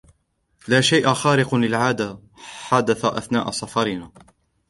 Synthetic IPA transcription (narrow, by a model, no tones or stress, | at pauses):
laːʃajʔaxaːɾɪqʊlɪlʕaːd̪a | ħad̪aθaʔaθnaːʔasˤɑfɑɾɪnaː